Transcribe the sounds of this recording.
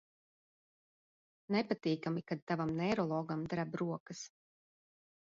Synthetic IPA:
nɛpat̪iːkamikad̪̚t̪avamnɛɾɔlˠɔːɡamd̪ɾabɾuɔkɐs

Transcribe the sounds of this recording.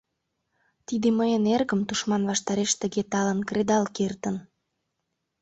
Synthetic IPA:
t̪id̪eməjənerɣə̆mt̪uʃmɑnβɑʃt̪ɑɾeʃt̪ə̆ɣet̪ɑlənkred̪ɑlkert̪ən

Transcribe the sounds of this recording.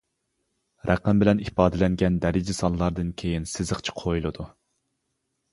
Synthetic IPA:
ɾʔæ̰qːæmbɪlɛnipɑːd̪ɪlɛŋɡʲɛnd̪ɛɾɪd͡ʒɪsɑnˠlˠɑɾd̪ɨnkʲʰejinsɪzɨχt͡ʃʰi̥qʰojulˠɨd̪u

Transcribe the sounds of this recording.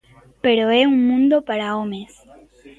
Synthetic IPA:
pe̞ɾoeuŋmũnd̪o̞paɾaomes

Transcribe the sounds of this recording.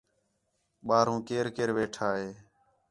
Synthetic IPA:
ɓaːɾũːkeːɾkeːɾʋeːʈʰaːɦeː

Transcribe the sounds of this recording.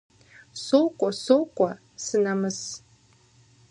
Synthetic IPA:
sowkʷʼɔsokʷʼɐ | sɨnamɨs

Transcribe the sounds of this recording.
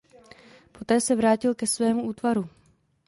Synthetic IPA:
po̞t̪ɛːsɛvɾaːcɪlkɛsvɛːmuuːt̪vaɾu

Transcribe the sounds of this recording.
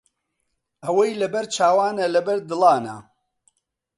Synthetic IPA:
ɐwɐjlɐbɛɾt͡ʃʰaːwaːnɐlɐbɐɾd̪ɨlɑːnɐ̰

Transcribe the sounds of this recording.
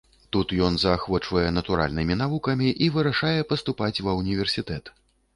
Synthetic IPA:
t̪ut̪jɔnzɐxvɔt͡ʂvɐjɛnɐt̪uɾa̰lʲnɨmʲin̪avukɐmʲiʔivɨɾɐʂajɛpɐst̪upat͡sʲvɐwnʲivʲɛrsʲit̪ɛt̪

